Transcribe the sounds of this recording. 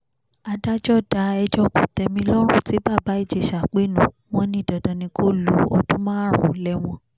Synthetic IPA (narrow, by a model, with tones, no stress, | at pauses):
a˧da˦d͡ʒɔ˦˨da˧˦ɛ˧d͡ʒɔ˦kũ˨tɛ˧mĩ˧lɔ˦ɾ̃ũ˦˨ti˨˦ba˦˨ba˨˦i˦˨d͡ʒe˨˧˨ʃa˨k͡pe˦˨nũ˨ | w̃ɔ̃˧nĩ˧˦˨da˨dã˨nĩ˧ko˦lo˨˦ɔ˧dũ˦mãː˦ɾṵ̃˨˦lɛ˦w̃ɔ̃˧